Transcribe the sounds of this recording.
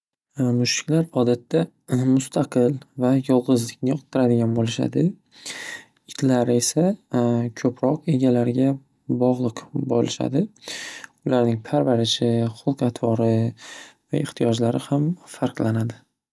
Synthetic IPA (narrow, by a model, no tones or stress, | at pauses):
mʊʃɪ̥kʲlaɾɒd̪at̪ʰːa | mʊst̪ʰaqʰɨlvajɒlˠʁɨzlɪkʲnɪjɒqt̪t̪ːɪɾad̪ɪɡʲanbolɪʃa̰d̪ɪ | ɪt̪ʰlaɾɪe̞sakʰɵpʰɾɒqe̞ɡʲalaɾɡʲa | bɒʁlˠɨqbolɪʃa̰d̪ɪ | ʊlaɾnɪŋpʰaɾvaɾɪʃɪχʊlˠqat̪ʰbɒɾɪ | vaeχt̪ʰijɒd͡ʒlaɾɪhamfaɾqlˠanad̪ɪ